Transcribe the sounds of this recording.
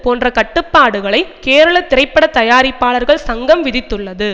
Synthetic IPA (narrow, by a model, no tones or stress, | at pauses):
poːndrɐkɐʈːɯpːaːɽɯɣɐɭɐɪkeːɾɐɭɐt̪ɪɾɐɪpːɐɽɐt̪ɐjaːɾɪpːaːɭɐɾɣɐɭsɐŋɡɐmʋɪðɪt̪ːɯɭːɐðɯ